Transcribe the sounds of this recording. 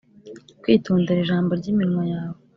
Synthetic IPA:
kwiːtuːndeɾiʒaːmbo̞ɾɟimiɾiŋwajaːwe

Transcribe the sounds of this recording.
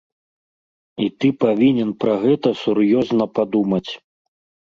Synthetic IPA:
it̪ɨpavʲinʲɛnpɾɐɣɛt̪ɐsurjɔznɐpad̪umɐt͡sʲ

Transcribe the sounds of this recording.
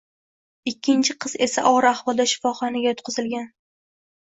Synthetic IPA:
ɪkʲʰːɪnt͡ʃʰɪqʰɨze̞saʔɒɾaχvɒd̪ɒʃɪ̥fɒχɒnɪɡʲajɒt̪̚qʰʊzɪlɡʲan

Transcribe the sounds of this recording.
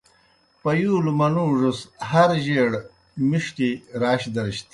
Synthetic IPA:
pɐjuːlumɐnuːʐushɐɾʑeːɽ | miʂʈiɾaːɕd̪ɐɾiɕt̪i

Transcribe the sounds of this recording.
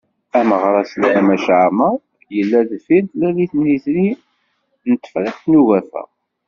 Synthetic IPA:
æməʁɾˤɑsəlʕæmæʃʕamæ | jəlːæðfint̪læliθnːiθɾi | nət̪ːə̥fɾiχt̪nuʝæθæ̰

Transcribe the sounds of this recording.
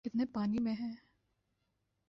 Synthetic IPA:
kɪt̪nepaːnimẽɦɛ̃ː

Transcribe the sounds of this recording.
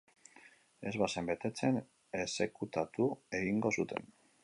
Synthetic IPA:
e̞zβase̞mbe̞t̪e̞t͡se̞n | esekut̪at̪ue̞ɣiŋɡo̞sut̪ʰe̞̰n

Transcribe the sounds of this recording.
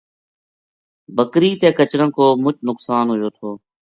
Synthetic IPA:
bəkɾiːt̪eːkət͡ʃɽə̃ːkoːmʊt͡ʃnʊksaːnɦojoːt̪ʰoː

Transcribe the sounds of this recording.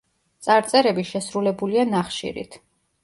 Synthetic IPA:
t̪sʼaɾt̪sʼɛɾɛbiʃɛsɾulɛbulianaχʃḭɾḭt̪ʰ

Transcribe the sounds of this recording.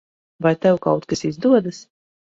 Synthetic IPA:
vajt̪ɛwkawt̪kasizd̪uɔd̪as

